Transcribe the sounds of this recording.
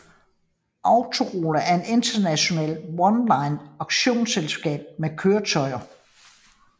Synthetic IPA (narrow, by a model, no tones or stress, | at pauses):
ʔɑ̈ʊt͡sʰo̝ʁoːləʔæɐe̝de̝nd̥ɐnæɕo̝nɛ̰ːlwɒnlɑ̈ɪnɑ̈ɡ̥ɕo̝̰ːnselsɡ̥ɛ̰ːb̥̚mekʰøːɐt͡sʰɒ̽ɪ̰ɐ